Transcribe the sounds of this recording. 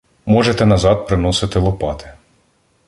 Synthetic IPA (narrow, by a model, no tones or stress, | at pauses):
mɔʒet̪ɛnɐzɑd̪̚pɾɪnɔsɪt̪ɪlˠɔpɑt̪ɪ̥